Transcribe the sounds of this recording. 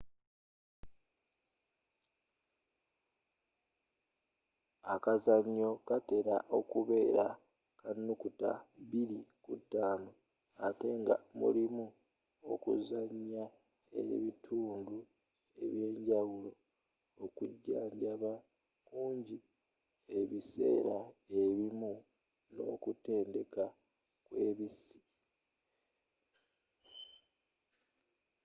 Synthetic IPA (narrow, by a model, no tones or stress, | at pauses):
akazaɲːo̞kate̞ɾaʔo̞kuβe̞ːɾa | kanːukuta̰βiɾikutːaːno | ate̞ŋɡa̰mṵlimu | o̞̰kṵzaɲːa | ḛβitʰuːndu | e̞βje̞ːɲɟawulo̞ | okuɟːaːɲɟaβa | kuːɲɟi | e̞βise̞̰ːɾae̞βimu | no̞̰kute̞ːnde̞ka | kwe̞βisi̥